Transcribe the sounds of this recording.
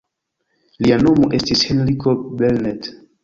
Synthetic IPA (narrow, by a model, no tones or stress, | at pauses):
liano̞moʔe̞stishenlikobelnet